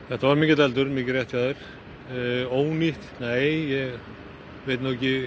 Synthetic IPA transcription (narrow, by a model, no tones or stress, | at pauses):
θɛht̪ːavaɾmiːcɪt̪alt̪ʏɾmiːkcɪɾrɛht̪faːðɪɾ̥ | oːwniht̪nejjɛɣ | ʋejt̪noːɛcːɪ